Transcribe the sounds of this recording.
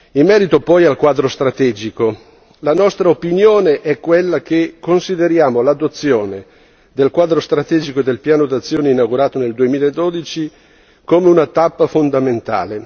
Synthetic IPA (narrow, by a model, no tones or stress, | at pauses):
imːɛːɾit̪opɔjalkwaːd̪ɾost̪ɾat̪ɛːd͡ʒiko | lanɔst̪ɾaopinjoːneʔɛkːwelːak̟ekːonsid̪eɾjaːmolad̪ot̪sːjoːne | d̪elkwaːd̪ɾost̪ɾat̪ɛːd͡ʒikod̪elpjaːnod̪at̪sːjoːneinawɡuɾaːt̪oneld̪uemiːlaed̪ːod̪it͡ʃi | koːmeunat̪apːafond̪ament̪a̰ːle